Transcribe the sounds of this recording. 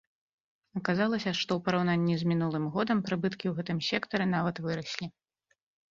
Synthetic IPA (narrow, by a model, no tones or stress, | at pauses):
ɐkazalˠɐsʲɐʂt̪ɔwpɐɾawnanʲːizʲmʲin̪ulˠɨmɣɔd̪ɐmpɾɨbɨt̪kʲiwɣɛt̪ɨmsʲɛkt̪ɐɾɨn̪avɐt̪vɨɾɐsʲlʲi